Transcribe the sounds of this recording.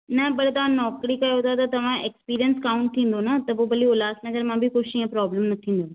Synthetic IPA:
nɐbɐɽt̪ɐʋ̤ãnɔːkɾikaːjɦot̪at̪ɐt̪ɐʋ̤ãekspiːɾijənskaːũɳʈ̚t̪ʰĩːn̆d̪onɐt̪ɐpobɐliolaːsnɐɡəɾmãbʱikoʃiãpɾɔːbləmnɐt̪ʰĩːnd̪o

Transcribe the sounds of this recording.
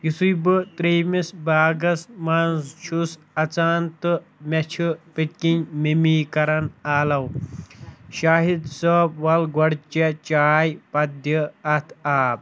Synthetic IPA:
jusujbɨt̪ɾeːmisbaːɡɐsmaːnzt͡ʃʰus | ɐt͡saːnt̪ɨ | mɐt͡ʃʰɨpiʈkinmimiːkɐɾɐnaːlɐw | ɕaːɦid̪səːpʋɐlɡɐɽt͡ʃɐt͡ʃaːjpɐd̪jɐɐt̪ʰaːb

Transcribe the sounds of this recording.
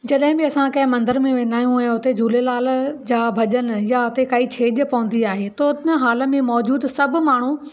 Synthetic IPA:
d͡ʑɐɗɦɪ̃bɪɐsãkɐ̃ɦɪ̃mɐ̃nd̪əɾmẽʋẽːnd̪aːjũɛ̃ːʊt̪ed͡ʑʱuːlelaːld͡ʑaːbʱɐʄənjaʊt̪ekaːit͡ɕʰeːʄpɐʋə̃nd̪iaːɦet̪onəɦaːlə̆mẽmɔːd͡ʑuːd̪sɐb̆ʱmaːɳ̤ũ

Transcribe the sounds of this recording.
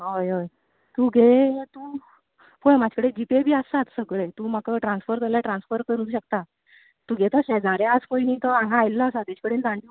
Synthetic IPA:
ɦojɦoj | t̪uːɡʱet̪u | pʰojmad͡ʑʱkəɽed͡ʑipebʱiːəsat̪səɡɭet̪uːm̤akəʈɾãnsfəɾt̪əljaʈɾãnsfəɾkəɾuːɕək̚t̪a | t̪uːɡʱet̪əɕɛd͡zaɾeaskojniːt̪əãɦãajlːəːsad̪it͡ɕkəɽeːnd̪ãɳɖi

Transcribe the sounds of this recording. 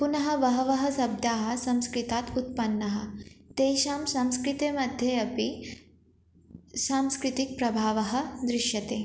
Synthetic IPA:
punɐɦɐ̆ʋɐɦɐʋɐɦɐsɐb̚d̪ʱaːɦɐ̆sɐ̃mskɾit̪at̪ut̪̚pɐnːɐɦə̰̆t̪eːɕamsamskɾit̪emɐd̪ʱjeɐpi | saːmskɾit̪ik̚pɾɐbʱaːʋɐɦɐ̆d̪ɾɪʂjɐt̪eː

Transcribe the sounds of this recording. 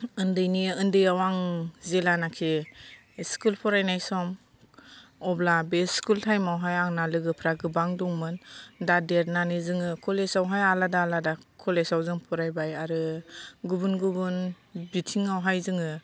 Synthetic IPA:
ɯndɯjniɯndɯjawaŋzelanakʰe | skulpʰɔɾajnajsɔm | ɔblabeskultʰajmawɦajaŋnalɯɡɯpʰɾaɡɯbaŋdɔŋmɯndadeɾnanizɯŋɯkʰɔlesawɦajaladaːladakʰɔlesawzɯŋpʰɔɾajbajaɾɯɡubunɡubun | bitʰiŋawɦajzɯŋɯ

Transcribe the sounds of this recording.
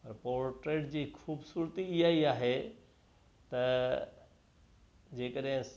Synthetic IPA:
pɐɾpoːɾʈɾeːʈd͡ʑiːxʰuːbsuːɾt̪iɪɦaːiaːɦe | t̪ɐ | d͡ʑeːkəɗɦɪ̃s

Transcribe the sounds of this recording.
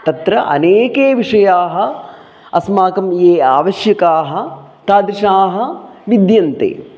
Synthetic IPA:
t̪ɐt̪ɾɐʔɐ̰neːkeːʋiʂɐjaːɦɐ̆ | ɐsmaːkɐmjeːaːʋɐʃjɐkaːɦɐ̆ | t̪aːd̪ɾiʂaːɦɐ̆ʋid̪jɐnt̪ḛː

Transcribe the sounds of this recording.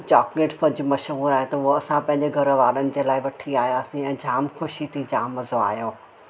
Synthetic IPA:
t͡ɕɔːkleːʈfɐd͡ʑʊmɐʃɦuːɾaːɦet̪ɐuɦoɐsãpɐ̃ɦɪ̃ɲd͡ʑɪɡʱɐɾəʋaːɗənɪ̆d͡ʑeːlaːɪʋɐʈʰiaːɦjaːsĩɛ̃ːd͡ʑʱaːmxʊʃit̪ʰid͡ʑʱaːmɐzoa̰ːɦjoː

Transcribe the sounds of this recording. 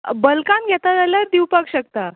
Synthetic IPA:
bəlkãnɡʱjɛt̪ad̪aləɾd̪iwpakɕək̚t̪a

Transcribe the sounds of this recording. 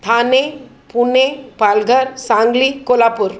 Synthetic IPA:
t̪ʰaːne | punepaːlɡʱɐɾsaːŋɡlikolaːpuɾ

